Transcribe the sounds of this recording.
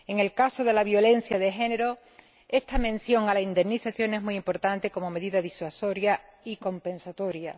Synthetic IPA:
e̞ŋe̞lkaso̞ðe̞laβjo̞le̞n̟θjaðeɦe̞ne̞ɾo̞ | e̞st̪amẽ̞nsjo̞ŋalaind̪e̞mniθaθjoŋe̞ɦmuimpo̞ɾt̪ant̪e̞ko̞mo̞me̞ðiðaðiswaso̞ɾjaiko̞mpẽ̞nsat̪o̞ɾja̰

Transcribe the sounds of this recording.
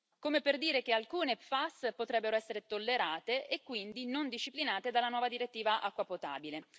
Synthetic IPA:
komeperd̪iːɾek̟ealkuːnefaspot̪ɾɛbːeɾoɛsːeɾet̪olːeɾaːt̪eʔekːwind̪inond̪iʃːiplinaːt̪ed̪alːanwɔːvad̪iɾet̪ːiːvaʔakːwapot̪a̰ːbile

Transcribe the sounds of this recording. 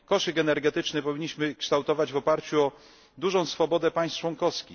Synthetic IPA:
kɔʂɘkɛnɛɾɡɛt̪ɘt͡ʂnɘpɔvʲiɲːiɕmɘkʂt̪awt̪ɔvad͡ʑvɔpaɾt͡ɕuɔ | d̪uʐɔ̃w̃sfɔbɔd̪ɛpaj̃st̪t͡ʂwɔŋkɔskʲi

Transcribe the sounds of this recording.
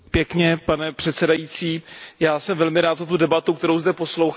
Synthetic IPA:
pjɛkɲɛpanɛpr̥ɛt̪sɛdajit͡siːjaːsɛmvɛlmɪɾaːt̪zat̪udɛbat̪uk̚t̪ɛɾo̞wzdɛpo̞slowx

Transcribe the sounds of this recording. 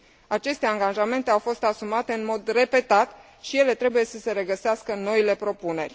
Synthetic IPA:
at͡ʃe̞st̪e̞aŋɡaʒame̞nt̪e̞awfo̞st̪asumat̪e̞ɨnmo̞d̪re̞pe̞t̪at̪ | ʃije̞le̞t̪ɾe̞buje̞səse̞ɾe̞ɡəseaskəno̞ile̞pɾo̞pune̞rʲ

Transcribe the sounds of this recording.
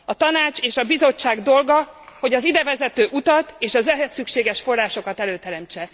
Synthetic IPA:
ɒt̪ɒnaːt͡ʃeːʃɒbizo̞t͡ʃːaːɡd̪o̞lɡɒho̞ɟɒzid̪ɛvɛzɛt̪øːʔut̪ɒt̪eːʃɒzɛɦɛsːykʃeːɡɛʃfo̞rːaːʃo̞kɒt̪ɛløːt̪ɛɾɛmt͡ʃɛ

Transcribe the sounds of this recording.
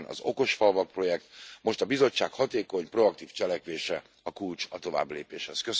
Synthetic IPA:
nʔɒ̰zo̞̰ko̞ʃfɒlvɒk̚pro̞jɛk̚t̪mo̞ʃt̪ɒbizo̞t͡ʃːaːkhɒt̪eːko̞ɲpro̞ɒk̚t̪iːft͡ʃɛlɛkʋeːʃɛ | ɒkult͡ʃɒt̪o̞va̰ːbleːpeːʃhɛskøs

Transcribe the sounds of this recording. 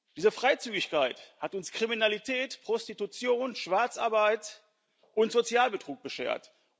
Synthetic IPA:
d̥iːzəfʁ̥aɪt͡syːɡɪçkaɪthatʊnskʁ̥iminalitʰɛːtpʁ̥ɔstitut͡sjoːnʃv̥aɐt͡sʔaɐbaɪt | ʔʊntz̥ot͡sjaːlbətʁ̥uːk̚b̥əʃḛːɐ̰t

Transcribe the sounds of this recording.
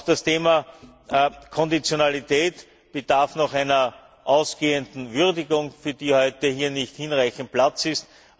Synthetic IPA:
d̥astʰeːmɐ | kʰɔndit͡sjonalitʰɛːt | b̥əd̥aɐfnɔxæɪnɐ | ʔɑʊsɡ̥eːəndn̩vyʁdɪɡʊŋfyːɐd̥iːhɔʏtəhiːɐnɪçthinʁaɪçn̩t̚plat͡sɪst

